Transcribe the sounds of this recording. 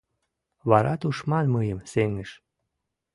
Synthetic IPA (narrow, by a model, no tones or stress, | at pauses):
βɑɾɑt̪uʃmɑnməjəmseŋəʃ